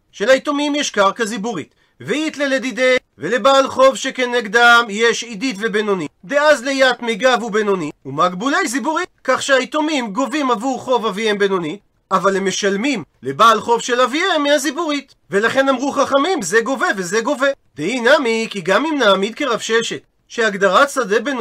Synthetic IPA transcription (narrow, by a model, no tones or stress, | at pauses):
ʃelait̪o̞mimjeʃkaʁkazibuʁit̪ | vejit̪leled̪id̪e | velebaːlχo̞vʃeke̞neɡd̪amjeʃid̪it̪vebe̞no̞nid̪eazlejat̪meɡavube̞noniumaɡbulejzibuʁikaχʃeait̪o̞mimɡo̞vimavuχo̞vaviembe̞no̞ni | avaleme̞ʃalmimlebaːlχo̞vʃelaviemiazibuʁit̪ | ve̞laχe̞namʁuχaχamimzeɡo̞ve̞ve̞ze̞ɡo̞ve̞d̪einamikiɡamimnaːmid̪̚ke̞ʁavʃe̞ʃe̞t̪ | ʃeaɡd̪aʁasadeben